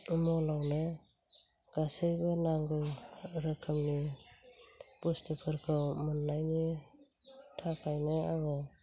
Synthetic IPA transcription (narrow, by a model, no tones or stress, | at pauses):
mɔlawnɯ | ɡ̥asɯjbɯnaŋɡɯɾɯkʰɯmni | b̥ustɯpʰɯɾkʰɯwmɯnːajni | tʰakʰajnɯaɡɯ